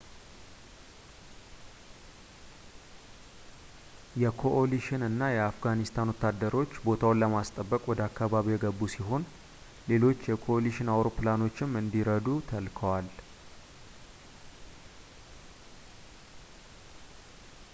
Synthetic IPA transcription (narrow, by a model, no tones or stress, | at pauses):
jɛkʰo̞ʔoliʃɪnɨnːajɛafɡanist̪ʰanwɔt̪ːad̪ːəɾo̞t͡ʃːbo̞t̪ʰawnləmast̪ʼəbːəkʼwɔd̪əakːaβaβijɛɡəbːusiɦo̞n | le̞lo̞t͡ʃːjɛkʰo̞oliʃɪnawɾo̞plano̞t͡ʃːɪmɨnd̪iɾəd̪ut̪ʰəlkʰəwal